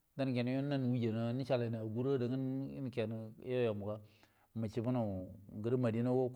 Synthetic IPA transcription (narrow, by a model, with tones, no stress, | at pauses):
da˦n˨ke˨n˦jo˦na˦n˨wu˦d͡ʒe˨na˦ni˦t͡ʃa˨la˨na˨ɡu˦ɾo˦da˨ŋə˦nḭ˦n˨ke˨n̰˨˦jo˦ja˨mu˨ka˦ | ma˨t͡ʃi˦bu˦na˨ɡə˨ɾi˦ma˨di˦na˦wo˦